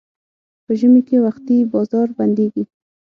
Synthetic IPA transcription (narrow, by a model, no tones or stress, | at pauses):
pəʒəmekewaxt̪ibɑzɑɾband̪eɡi